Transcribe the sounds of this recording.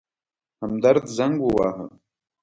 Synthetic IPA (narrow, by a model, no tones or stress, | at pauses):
hamd̪aɾd̪zaŋɡwowaːɦə̰